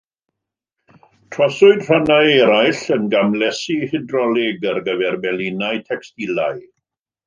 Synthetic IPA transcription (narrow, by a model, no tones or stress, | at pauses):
tʰrɔsʊɨdr̥anajɛɾajɬənɡamlɛsihɪdrɔlɪɡərɡəvɛrbɛlɪnaɨtʰɛkstilaj